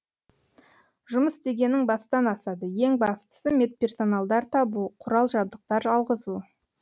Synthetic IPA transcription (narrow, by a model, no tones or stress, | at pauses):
ʒʊməst̪e̞ɡʲe̞nɪŋbɑsd̪ɑnɑsɑd̪əjeŋbɑst̪ə̥səme̞t̪̚pʲe̞rso̞nɑlˠd̪ɑɾt̪ʰɑbuqʰʊɾɑlˠʒɑb̚d̪əq̚t̪ɑɾɑlˠʁəzu